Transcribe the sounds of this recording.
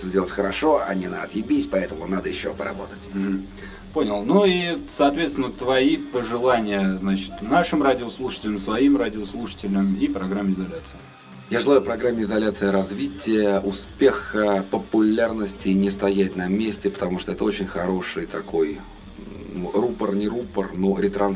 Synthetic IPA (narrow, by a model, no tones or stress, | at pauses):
t̪ozʲdʲelˠətʲxəɾɐʂo̞ɐ̰nʲɪnaːt̪jɪbʲisʲpɐɛt̪əmʊnad̪əjɪɕːopəɾɐ̰bo̞t̪ətʲm̩ | ponʲɪlˠnuisɐːt̪vʲet̪st̪ʲɪnət̪vɐipəʐɨlˠanʲɪjəznat͡ɕɪ̥t̪naʂɨmradʲɪoslˠuʂə̥tʲɪlʲəmsvɐimradʲɪoslˠuʂə̥tʲɪlʲəmipɾɐɡɾamʲːɪɪzɐlʲat̪sɨɪ | jaʐɨlˠajʊpɾɐɡɾamʲːɪɪzɐlʲat̪sɨjəɾɐzvʲitʲɪjəʔʊspʲexəpəpʊlʲarnəsʲtʲɪːnʲɪst̪ɐjætʲnɐmʲesʲtʲɪpə̥t̪ɐmuʂt̪oɛt̪əo̞t͡ɕɪnʲxɐɾo̞ʂɨjt̪ɐko̞j | nurupərnʲɪɾupərnoɾʲɪt̪ɾɐn